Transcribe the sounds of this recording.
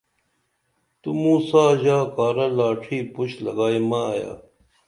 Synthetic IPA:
t̪umuːsaːʑaːkaːɾɐlaːʈʰiːpuɕlɐɡaːimaja̰ː

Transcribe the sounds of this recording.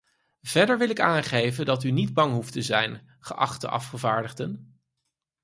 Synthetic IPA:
v̥ɛɹdəɹʋɪlɪkaːnχejvəndɑtynidbɑŋɦuftəzɛjn | χəʔɑ̰χtə̰ʔɑ̰fχəvaːɹdəχdən

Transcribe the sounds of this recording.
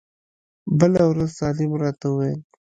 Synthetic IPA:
bəlawɾɐzt̪aːlimɾat̪ae

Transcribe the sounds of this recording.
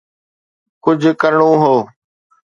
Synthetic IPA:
kʊd͡ʑʱkəɾɳõːɦoː

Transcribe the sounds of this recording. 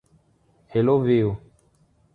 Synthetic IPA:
heloveo

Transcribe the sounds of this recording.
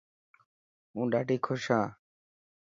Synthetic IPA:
ũːɖaːɖiːkʰʊʃãː

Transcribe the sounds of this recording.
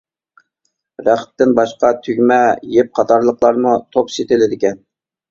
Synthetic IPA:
ɾæχ̚t̪ɪnbɑʃqɑt̪ʰyɡʲmɛjep̚qʰɑt̪ʰɑɾlˠəqlˠɑɾmut̪ʰopset̪ɪlɪd̪ɪkʲɛn

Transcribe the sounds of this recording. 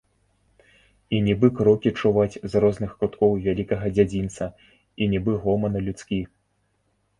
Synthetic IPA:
inʲibɨkɾɔkʲit͡ʂuvat͡sʲzrɔznɨxkɾut̪kɔwvʲalʲikɐɣɐd͡zʲad͡zʲint̪sɐ | inʲibɨɣɔmɐnɐlʲut̪skʲi

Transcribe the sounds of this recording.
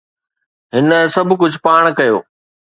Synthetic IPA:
ɦɪnsɐbʱkʊd͡ʑʱpaːɽ̃kɐjo̰ː

